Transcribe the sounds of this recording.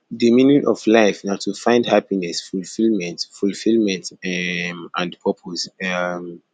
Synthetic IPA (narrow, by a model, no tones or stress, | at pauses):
dimĩnĩnʔɔvlaɪfnatʰufãɪ̃ndhapinɛsfulfilmɛ̃ntfulfilmɛ̃ntmãndpʰɔpʰosɛm